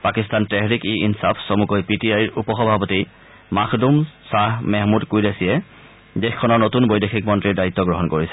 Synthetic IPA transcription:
pakistantɛɦɹikiinsapʰsomukojpitiajiɹupɔxɔbʱapɔti | maxʰdumsaɦmɛɦmudkujdesijɛ | dexkʰːɔnɔɹnotunbojdexʰik̚mɔntɹiɹdait̪ːɔɡɹɔɦɔnkoɹisɛ̥

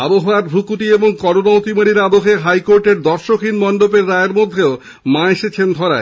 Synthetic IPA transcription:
aboɦoaɾbʱɾukuʈieboŋkɔɾonat̪imaɽiɾabokʰeɦajkoɾʈeɾd̪ɔɾʃokʰinmɔnɖopeɾːaeɾmod̪ʱːeo | maeʃet͡ɕʰend̪ʱɔɾa̰e

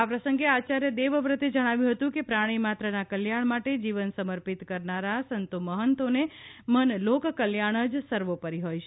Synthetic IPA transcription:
apɾəsəŋɡeat͡ʃaɾjəd̪eʋəʋɾət̪ed͡ʒəɽ̃aʋjũɦət̪ũkepɾaɽ̃imat̪ɾənakəljaɳ̃maʈed͡ʒiʋənsəməɾpit̪kəɾnaɾasənt̪uməɦənt̪onemənlokkəljaɽ̃əd͡ʒsəɾʋopəɾiɦojt͡ʃʰe

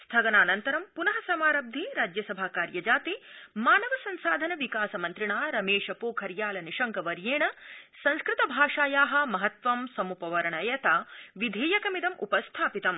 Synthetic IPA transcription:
st̪ʰɐɡɐnaːnɐnt̪ɐɾɐmpunɐɦɐsɐmaːɾɐb̚d̪ʱiɾaːd͡ʒjɐsɐbʱakaːɾjɐd͡ʒaːt̪imaːnɐʋɐsɐnsaːd̪ʱɐnɐʋikaːsɐmɐnt̪ɾiɳaːɾɐmeːʂɐpoːkʰɐɾjaːlɐniʂɐŋkɐʋɐɾjeːɳɐsɐ̃nskɾɪt̪ɐbʱaːʂaːjaːɦɐ̆mɐɦɐt̪ʋɐmsɐmupɐʋɐɾɐɳɐjɐt̪aːʋid̪ʱeːjɐkɐmid̪ɐmʔṵpɐst̪ʰaːpit̪ɐm

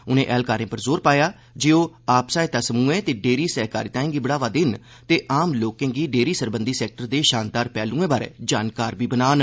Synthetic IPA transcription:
ʊnẽːʔɛːlkaːɾẽːpəɾzoːɾpaːjaː | d͡ʒeːoː | aːpsaːɪt̪aːsəmũːẽːt̪eːɖeːɾiːsɛːɦka̰ːɾiːt̪ãːẽːɡiːbəɽaːʋaːd̪ɪn | t̪eːʔaːmloːkẽːɡiːɖeːɾiːsəɾbə̃nd̪iːsɛːk̚ʈəɾd̪eːʃaːnd̪aːɾpɛːlũːẽːbaːɾḛːd͡ʒaːnkaːɾbiːbənaːn

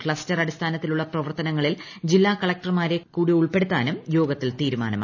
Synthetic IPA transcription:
kɭɐstɐrɐɽist̪ʰaːnɐt̪ːiluɭːɐprɐʋɐrt̪ɐnɐŋːɐɭil | d͡ʑilːaːkɐɭɐk̚ʈɐrmaːɾe̞kːuːɽiuɭpe̞ɽut̪ːaːnumjo̞ːɡɐt̪ːilt̪iːɾuma̰ːnɐm̰

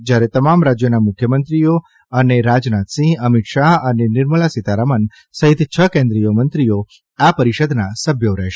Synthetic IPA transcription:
d͡ʒjaɾet̪əmamɾad͡ʒjonamʊkʰjəmənt̪ɾijo | əneɾad͡ʒnat̪sĩəmit̪ʃaɦənenɪɾməlasit̪aɾamən | səɦɪt̪t͡ʃʰəkẽnd̪ɾijomənt̪ɾijo | apəɾiʃəd̪nasəbʱjoɾəɦʃe

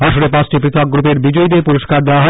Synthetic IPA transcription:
baʃoɾepãt͡ɕʈipɾit̪ʰok̚ɡɾupeɾbid͡ʑojd̪epuɾoʃkaɾd̪ewaɦɔ

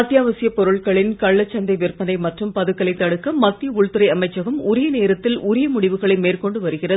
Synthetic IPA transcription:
ɐt̪jaːʋɐsɪjɐpɔɾɯɭɣɐɭɪnkɐɭːɐt͡ʃːɐnd̪ɐɪʋɪrpɐnɐɪmɐʈrɯmpɐðɯkːɐlɐɪt̪ːɐɽɯkːɐmːɐt̪ːɪjɐʊɭt̪ɯɾɐɪɐmɐɪt͡ʃːɐɣɐmʊɾɪjɐneːɾɐt̪ːɪlʊɾɪjɐmʊɽɪʋɯɣɐɭɐɪmeːrkɔɳɖɯʋɐɾɯɣɪrɐ

